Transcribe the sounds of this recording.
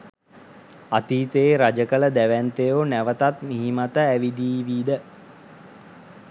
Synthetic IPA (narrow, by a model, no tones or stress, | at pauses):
at̪iːt̪əːɾad͡ʒəkələd̪æʋænt̪ejonæʋət̪at̪miɦimat̪əæʋid̪iːʋiːd̪ə